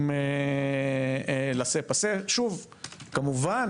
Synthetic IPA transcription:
me | lasepaseʃuv | kamuvan

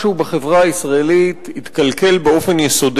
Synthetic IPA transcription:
ubeχe̞vʁaːisʁaelit̪hit̪kalke̞lbeo̞fe̞njeso̞d

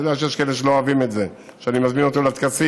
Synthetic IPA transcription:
d̪eaʃejeʃkaeleʃelo̞oavimet̪ze | ʃeanimazmino̞t̪oleat̪̚kasi

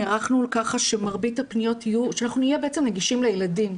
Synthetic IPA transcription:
ʁaχnulkaχaʃemaʁbithapnijo̞tijuʃeanaχnuijebeet͡semneɡiʃimlejeladim

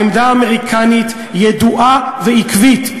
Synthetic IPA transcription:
md̪aːmeʁikʰanit̪ | jed̪uʔaveikvit̪

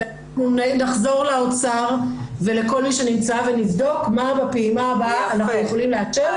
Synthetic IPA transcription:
e | mumnainaχzo̞ʁlaot͡saʁve̞leko̞lmiʃe̞nimt͡savenivdo̞kmabapeimabaːnaχnujeχo̞limleat͡ʃeʁ

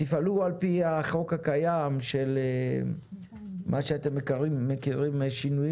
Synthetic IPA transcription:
tifalualpiaχo̞khakajamʃele | mʔaʃeat̪emːekaʁimːekiʁimʃinuji

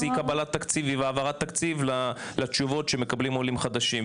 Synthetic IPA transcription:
ikabalat̪ːakt͡siviveavaʁat̪ːakt͡sivlalat͡ʃuvo̞tʃeme̞kablimo̞limχad̪aʃim

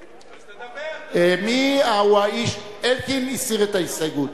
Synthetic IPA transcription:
emiawaiʃelkinisiʁet̪aisajɡut̪

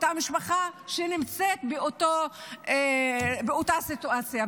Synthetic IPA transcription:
t̪amiʃpaχaʃenimt͡set̪beot̪oebeot̪asit̪uat͡sja

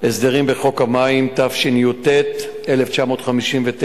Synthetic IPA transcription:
esd̪eʁimbeχo̞kamaimt̪afʃinijut̪ːet | ʔeleft͡ʃamo̞ːt̪χamiʃimvet̪

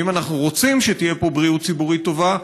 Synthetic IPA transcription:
imanaχnuʁo̞t͡simʃet̪ije̞po̞bʁiut̪̚t͡sibuʁit̪ːo̞va

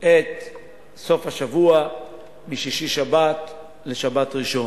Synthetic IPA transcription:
ʔet̪ | so̞fhaʃavua | miʃiʃiʃabat̪ | leʃabatʁiʃo̞

